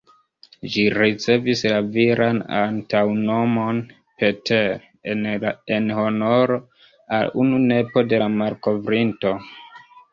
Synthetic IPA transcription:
ʒiɾit͡se̞vislaviɾʔana̰ntawno̞mo̞n | pe̞teɾ | enho̞no̞ɾo̞ | a̰lunune̞po̞de̞lamaɾko̞vɾinto̞

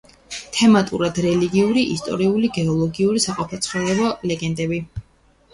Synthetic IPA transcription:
t̪ʰɛmat̪ʼṵɾad̪ɾɛliɡiuɾiʔist̪ʼɔ̰ɾiuliɡɛɔlˠɔɡiuɾisaqʼɔpʰɛt̪sʰχɔɾɛbɔlɛɡɛnd̪ɛbi

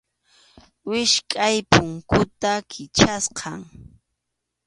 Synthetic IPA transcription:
wɪʃkʼajpʊŋkʊt̪akʰɪt͡ʃasqʰɑŋ

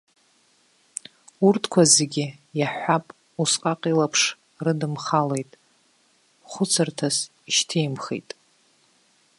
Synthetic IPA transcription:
urtʰkʷʰazeɡʲɪjaħʷapʼ | usqʼaqʼilapʰʂ | rɨdɨmχalejtʼ | χʷʊt͡sʰɨrtʰas | iʃtʰejmχḛjtʼ

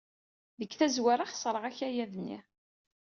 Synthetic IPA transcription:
ðəkːθæzwaɾˤaχsˤɾˤəʁæçæjæðənːḭ

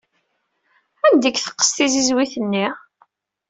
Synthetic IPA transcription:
ænd̪əkːθə̥qːə̥st̪izizwiθənːi

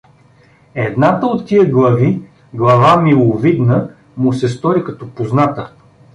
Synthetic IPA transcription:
ɛd̪nat̪əot̪ːiəɡlˠɐvi | ɡlˠɐvamilˠovid̪nə | mʊsɛst̪ɔɾikɐt̪ɔpoznat̪ə

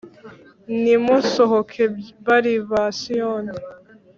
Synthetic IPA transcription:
nimosoɦokʰebaɾiβasijone

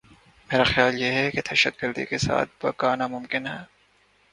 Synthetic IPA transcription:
meːɾaxjaːljeɦɛked̪̥ɐʃət̪̚ɡəɾd̪ḭkesa̰ːt̪̚ʰbɐkaːnamʊmkɪnɦɛː

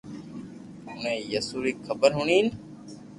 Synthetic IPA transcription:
ʊnẽːjəsuːɾiːkʰəbəɾɦʊɳiːn

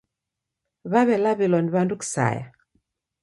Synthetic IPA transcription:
βaβɛlaβilɔnβanduksa̰ja̰

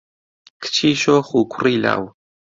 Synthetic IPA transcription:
kt͡ʃiʃoxukʰʷɾila̰w

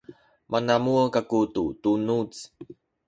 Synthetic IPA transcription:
mʔanamuəkakututunut͡s

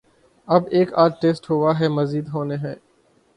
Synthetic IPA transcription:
ɐbeːkaːdʈeːsʈɦoːʋaɦɛmɐziːd̪ɦoːneɦɛ̃ː

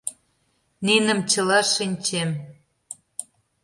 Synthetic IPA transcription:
ninə̆mt͡ɕə̆lɑʃinʲt͡ɕem

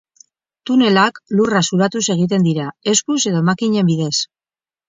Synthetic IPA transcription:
t̪une̞laklurasuɾat̪use̞ɣ̞it̪̬e̞nd̪iɾae̞skuse̞ðo̞emakiɲe̞mbiðe̞s

